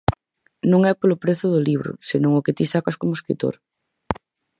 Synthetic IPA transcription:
nõŋɛpolʊpɾeθʊðʊliβɾʊ̰senõŋʊket̪isakaskomʊeskɾḭt̪o̰ɾ

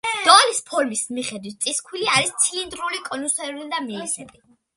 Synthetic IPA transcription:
d̥̪ɔalispʰɔlmismiχɛd̪wit̪̚t̪sʼiskʰwiliaɾist̪sʰiind̪ɾulikʼɔnusɛɾulid̪amiːsɛbi

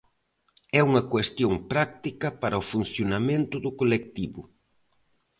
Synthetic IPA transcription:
ɛuŋɐkwest̪joŋpɾak̚t̪ikɐpaɾʔɐʊfun̟θjonamẽnt̪ʊðʊkolek̚t̪iβʊ

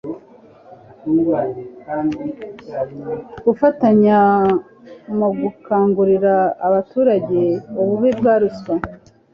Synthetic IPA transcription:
atuɡkandi | ɡufataɲa | moɡukʰaːŋɡuɾiɾaːβatuːɾaɟe̞uβuβibɡaːɾuswa

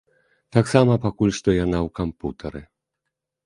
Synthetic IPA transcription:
t̪aksamapakulʲst̪ɔjanawkamput̪ʰɛɾɨ

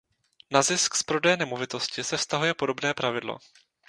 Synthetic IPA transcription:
nazɪskspɾo̞dɛjːnɛmovɪt̪oscɪsɛfst̪aɦujɛpo̞do̞bnɛːpɾavɪdlo̰

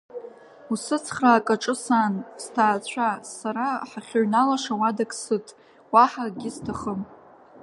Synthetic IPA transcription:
usɨt͡sʰχraːkʼaʈ͡ʂʼɨsanstʰaːt͡ɕʷʰasaɾaħaχʲoɥnalaʂawadakʼsɨtʼ | waħaɡʲɪstʰaχəm

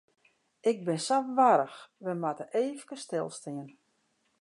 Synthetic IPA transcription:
ɪk̚bɪnsafʋaɾəxʋəmatəʔeːfkəstɪlˠstɪən

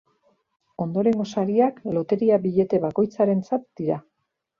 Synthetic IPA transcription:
o̞nd̪o̞ɾe̞ŋɡo̞saɾiaklo̞t̪e̞ɾiaβiʎe̞t̪e̞βako̞jt͡saɾe̞nt͡sat̪̚d̪̥iɾa

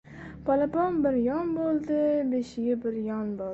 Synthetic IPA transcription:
pʰɑlˠapɒnbɪɾjɒnbolˠd̪ɪbeʃɪɡʲɪbɪɾjɒnbɒ

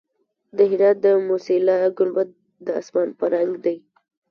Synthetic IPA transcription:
d̪əɦɪɾɑt̪̚d̪əmusilɑɡʊlbat̪̚ | d̪əa̰smɑnpəɾaŋɡd̪aj

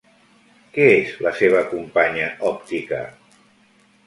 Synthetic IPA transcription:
kɛezləseβ̞əkumpaɲəɔp̚t̪ikə̰

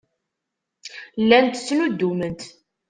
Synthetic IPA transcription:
lːænt̪t͡sːnud̪ːumənt̪

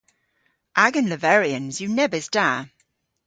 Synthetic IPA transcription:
ʔaɡə̃nləvɛɹiə̃nzjənɛvəsd̥aː

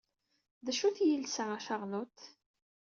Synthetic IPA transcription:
ðæʃuθjəlsææʃəʁlʊt̪

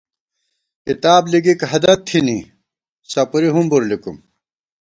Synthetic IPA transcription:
kit̪aːbliɡikɦɐd̪ɐt̪ʰːini | sɐpuɾiɦumbuɾlikum

